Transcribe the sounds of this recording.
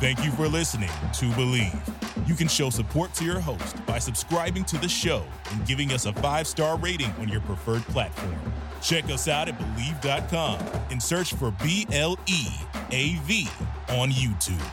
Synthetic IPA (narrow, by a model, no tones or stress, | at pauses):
θæ̃ŋkjɨfə˞lɪsnɪ̰̃ŋtʰɨbəliv̥jɨkɨ̃nʃoʊsɨpʰɔɹtʰɨjə˞ɦoʊstb̥aɪsɨb̥skɹaɪbɪ̃ŋtʰɨðɨʃoʊ | ɨ̃nɡɪvɪ̃ŋʌsəfaɪv̥stɑɹɹeɪɾɪ̃ŋə̰̃njə˞pʰɹ̥əfɜ˞d̚pʰl̥ætfɔ̰ɹm | t͡ʃʰɛkʌsaʊɾɨt̚b̥əlivdɑt̚kʰɑ̃mɨ̃nsɜ˞t͡ʃfə˞biʔɛlˠieɪviə̃njʉtʰʉ̰b̥